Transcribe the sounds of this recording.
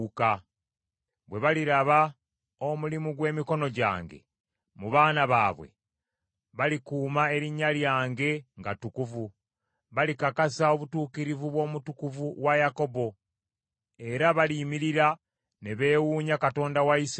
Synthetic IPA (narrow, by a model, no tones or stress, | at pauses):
ka | βwe̞βaliɾaβa | o̞mulimuɡwe̞ːmiko̞no̞ɟa̰ːŋɡe̞̰ | muβaːnaβaːβwe̞̰ | βalikuːmae̞ɾiɲːaljaːŋɡe̞ŋɡatukuvu | βalikakasao̞βutuːkiɾivuβwo̞ːmutukuvuwajako̞bo̞ | e̞ɾaβaliːmiɾiɾa | ne̞βe̞ːwuːɲakato̞ːndawais